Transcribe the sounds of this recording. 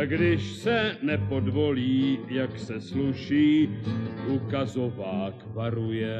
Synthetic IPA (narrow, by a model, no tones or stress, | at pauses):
ɡdɪʃsɛnɛpo̞dvo̞liːjaksɛsluʃiːʔukazo̞vaːkvaɾujɛ